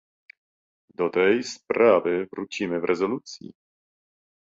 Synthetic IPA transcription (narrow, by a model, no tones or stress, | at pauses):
d̪ɔt̪ɛjspɾavɨvɾut͡ɕimɘvɾʔɛzɔlut̪sʲjḭ